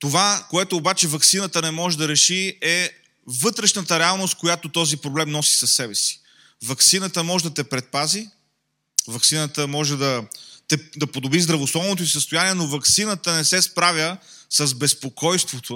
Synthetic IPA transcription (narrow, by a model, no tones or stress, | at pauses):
t̪ovakoɛt̪oːbat͡ʃɛvɐksinət̪ənɛmɔʒɛd̪ɐɾɛʃiɛ | vɤt̪ɾɛʃnət̪əɾɛalˠnost̪̚kojat̪ot̪ɔzipɾoblɛmnɔsi̥sɐsːɛbɛsi̥ | vɐksinət̪əmɔʒɛd̪ɐt̪ɛpɾɛt̪̚pazi | vɐksinət̪əmɔʒɛd̪ɐt̪ɛd̪ɐpod̪obɾizd̪ɾɐvoslˠɔvnot̪̬oisəst̪oʊjaniɛnovɐksinət̪ənɛsɛspɾavjəsɐzbɛspokɔjst̪vot̪ʰo